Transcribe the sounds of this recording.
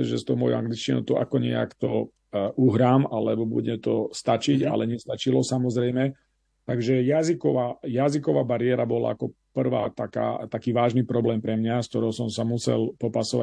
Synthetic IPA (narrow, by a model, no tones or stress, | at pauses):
ʒɛst̪ɔʊmɔjṵa̰ŋɡlit͡ʃcinɔ̰ʊt̪ɔʔa̰kɔɲɛ̰a̰kt̪ɔ | ʔuɦɾaːmalɛbɔbṵɟɛt̪ɔst̪at͡ʃiɟa̰lɛɲɛst̪at͡ʃilɔsamɔzɾɛjmɛ | t̪aɡʒɛjazikɔʋajazikɔʋaːbaɾɪɛɾabɔla̰akɔpr̩ʋa̰ːt̪aka̰ːt̪akiːʋaːʒnipɾɔblɛːmpɾɛmɲask̚t̪ɔɾɔʊsɔmsamusɛ̰lpɔpasɔʋa̰